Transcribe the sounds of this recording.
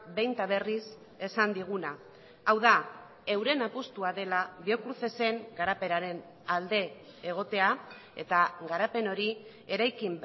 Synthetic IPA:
be̞jnt̪aβe̞ris | e̞sand̪iɣ̞unaː | wða | e̞wɾe̞napust̪uaðe̞laβio̞kuɾθe̞se̞ŋɡaɾape̞ɾaɾe̞n | ald̪e̞ː | ɣ̞o̞t̪e̞a | e̞̰t̪aɣaɾape̞no̞ɾi | e̞ɾajkim

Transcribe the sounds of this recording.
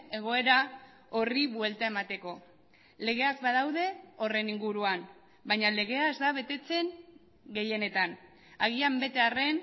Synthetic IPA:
e̞ɣ̞o̞e̞ɾa | o̞riβwe̞lt̪ae̞mat̪e̞ko̞ | le̞ɣ̞e̞ak̚bað̞awðe̞o̞re̞niŋɡuɾuan | baɲale̞ɣ̞e̞aezd̪aβ̞e̞t̪e̞t͡se̞ŋ | ɡe̞je̞ne̞t̪an | aɣ̞iambe̞t̪e̞are̞n

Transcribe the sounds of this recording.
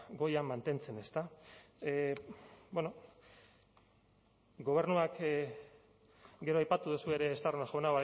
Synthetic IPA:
ɡo̞jamːant̪e̞nt͡se̞ne̞st̪a | beno | ɡo̞β̞e̞ɾnuak | ɡe̞ɾo̞ajpat̪uðusue̞ɾe̞ːst̪arunaxoenaɣo

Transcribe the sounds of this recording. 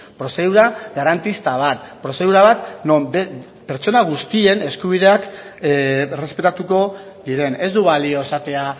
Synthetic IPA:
pɾo̞se̞ðuɾaɣaɾant̪ist̪aβ̞at̪pɾo̞se̞ð̞uɾaβat̪nobe | pe̞ɾt͡ʃo̞naɣust̪ie̞ne̞skuβiðe̞ak | ere̞spe̞t̪at̪uko̞ | ðiɾe̞ne̞zd̪uβalio̞e̞sat̪e̞a

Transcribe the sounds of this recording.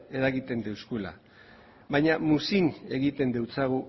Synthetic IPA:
e̞ðaɣit̪e̞nd̪ewskula̰ | βaɲamusine̞ɣit̪e̞nd̪ewt͡saɣu

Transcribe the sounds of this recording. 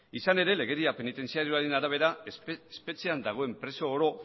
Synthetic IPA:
isane̞ɾe̞le̞ɣ̞e̞ɾiape̞nit̪e̞nt͡siaɾioaɾe̞naɾaβ̞e̞ɾaspe̞t͡siand̪aɣ̞o̞e̞mpɾe̞soːɾo̞

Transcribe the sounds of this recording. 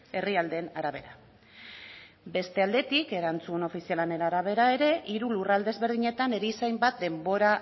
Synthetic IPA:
e̞riald̪e̞naɾaβ̞e̞̰ɾa | be̞st̪e̞ald̪e̞t̪ike̞ɾant͡suno̞fisialane̞ɾaɾaβ̞e̞ɾae̞ɾe̞ʔiɾulurald̪e̞zβe̞ɾð̞iɲe̞t̪ane̞ɾisajmbat̪̚d̪e̞mbo̞ɾa

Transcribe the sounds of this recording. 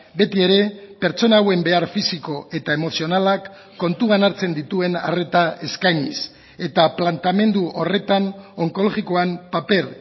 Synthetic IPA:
be̞t̪ie̞ɾe̞pe̞ɾt͡so̞nawe̞mbe̞aɾfisiko̞ʔe̞t̪ae̞mo̞sio̞nalakː | o̞nt̪uanaɾt͡se̞nd̪it̪ue̞na̰re̞t̪ae̞skajɲis | e̞t̪aplant̪ame̞nd̪uʔo̞re̞t̪ano̞ŋko̞loɣiko̞ampape̞ɾ

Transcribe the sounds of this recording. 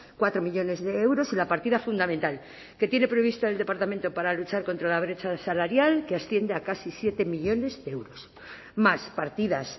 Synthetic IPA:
kwat̪ɾo̞miʎo̞ne̞zðe̞ewɾo̞silapaɾt̪iðafund̪ame̞nt̪al | ke̞t̪je̞ne̞pɾe̞β̞ist̪oeld̪e̞paɾt̪ament̪opaɾalut͡ʃaɾko̞nt̪ɾalaβ̞ɾe̞t͡ʃasalaɾjalkeasθje̞nd̪e̞akasisje̞t̪e̞miʎo̞ne̞zðeewɾo̞s | maspaɾt̪iðas

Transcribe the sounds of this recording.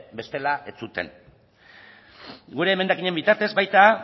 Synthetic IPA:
be̞st̪e̞laʔe̞t͡sut̪e̞̰n | ɡuɾe̞ːme̞nd̪akiɲe̞mbit̪aɾt̪e̞zbajt̪a

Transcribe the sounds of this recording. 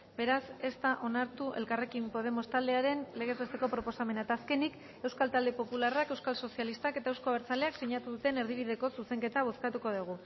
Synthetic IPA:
be̞ɾase̞st̪aʔo̞naɾt̪uʔe̞̰lkare̞kimpo̞ð̞e̞mo̞st̪ald̪e̞aɾe̞nle̞ɣ̞e̞zβe̞st̪eko̞pɾo̞po̞same̞naet̪aːske̞nik | ewskalt̪ald̪e̞po̞pularake̞wskalso̞sialist̪ake̞t̪aewsko̞βeɾt͡saleaksiɲat̪uðut̪e̞ne̞ɾðiβ̞ið̞e̞ko̞suse̞ŋke̞t̪aβ̞o̞skat̪uko̞ð̞uɣ̞u

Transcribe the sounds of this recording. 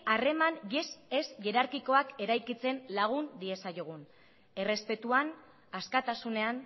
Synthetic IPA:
are̞maŋɡesezɡe̞ɾaɾkiko̞ake̞ɾajkit͡se̞nlaɣ̞und̪ie̞sajoɣ̞un | e̞re̞spe̞t̪uan | askat̪asune̞an

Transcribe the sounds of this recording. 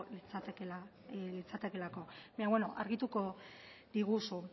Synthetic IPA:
lit͡sat̪ekela | lit͡sat̪e̞ke̞lako̞baɲaβweno̞ʔaɾɣit̪uko̞ðiɣusu

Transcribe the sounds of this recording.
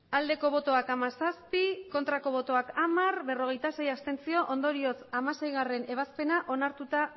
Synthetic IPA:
ald̪e̞ko̞β̞o̞t̪oakamasaspiko̞nt̪ɾako̞β̞o̞t̪o̞akamarbe̞ro̞ɣ̞e̞jt̪ase̞jast̪e̞nt͡sio̞ʔo̞nd̪o̞ɾio̞samase̞jɣ̞are̞ne̞β̞aspe̞naʔo̞naɾt̪ut̪a

